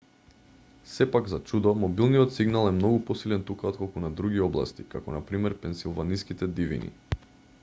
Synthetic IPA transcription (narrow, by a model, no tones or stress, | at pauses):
sɛpaɡzat͡ʃud̪ɔmɔbilˠniɔt̪siɡnalˠɛmnɔɡupɔsilɛnt̪ukaɔt̪̚kɔlˠkunad̪ɾuɡiɔblˠa̰st̪ikakɔnapɾimɛɾpɛnsilˠvaniskit̪ɛd̪ivḭnḭ